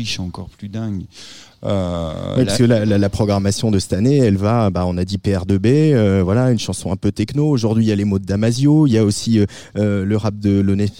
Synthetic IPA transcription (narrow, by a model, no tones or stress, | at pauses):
iʃɑ̃kɔ̰ʁplyd̪ɛ̃ɡ | ø̰wɛiskəlalalapχɔɡʁamasjɔ̃d̪əsɛ̥t̪aneɛlvabaɔ̃nad̪ipeɛʁd̪əbeøvwalaynʃɑ̃sɔ̃ɛ̃pøt̪ɛknoːʒuʁd̪ɥiljalemod̪d̪amazjoiljaosiø | øləʁap̚d̪əlonɛf